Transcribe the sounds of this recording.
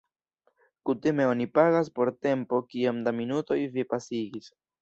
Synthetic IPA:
kutime̞o̞nipaɡas̬po̞ɾte̞mpo̞kiamdaminuto̞jvipasiɡis

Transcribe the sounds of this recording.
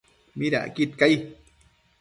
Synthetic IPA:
miɾa̰ʔkit̪kaj

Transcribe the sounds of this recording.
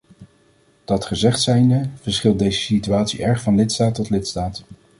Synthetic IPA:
d̥ɑtχəzɛχtsɛjndəvəɹsχɪlˠt̚dejzəsityaːtsḭʔɛɹχfɑnlɪtstaːtɔtlɪtstaːt

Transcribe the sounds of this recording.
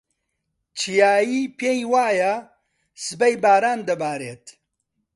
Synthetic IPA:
t͡ʃʰijaːjiːpʰeːjwaːjɐ | sɨbɐjbaːɾaːnd̪ɐbaːɾeːt̪

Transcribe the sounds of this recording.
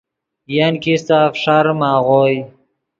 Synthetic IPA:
jankist̪aːfʂaɾmaːʁoj

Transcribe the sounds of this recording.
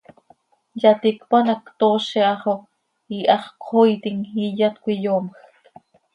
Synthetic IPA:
jɑt̪ikpanɑkt̪oːʃiʔɑχo | iʔɑχqʰoit̪iŋijɑt̪kʷijoːmx

